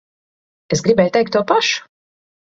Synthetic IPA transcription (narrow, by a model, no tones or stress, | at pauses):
esɡɾibɛjt̪ɛjk̚t̪ːuɔpaʃu̥